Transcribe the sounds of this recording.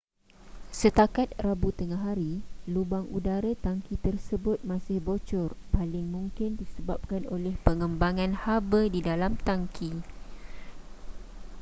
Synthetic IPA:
sət̪akat̪̚rabut̪əŋaɦaɾilubaŋʔudaɾat̪aŋkit̪ərsəbʊt̪̚mãsɪhbot͡ʃɔrpalɪŋmũŋkɪndisəbap̚kano̰lɛhpəŋəmbaŋãnhabədidalamt̪aŋkʰi

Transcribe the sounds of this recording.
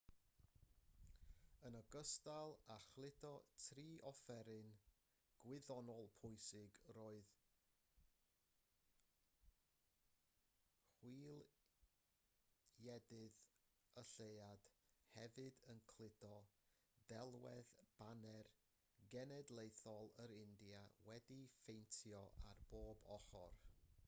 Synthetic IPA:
ənəɡəstalˠaχlˠɪtʰɔtʰriːʔɔfɛɾɪn | ɡ̥wɪðɔnɔlˠpʰʊɨsɪɡroːɨð | hwiːlˠ | jɛdɪðəɬejad̥hɛvɨdənkʰlˠɪdɔ | dɛlˠwɛðb̥anɛr | ɡɛnɛdlˠejθɔlˠəɾɪndiawɛdifejntʰjɔʔarb̥oːbɔχɔ̰r

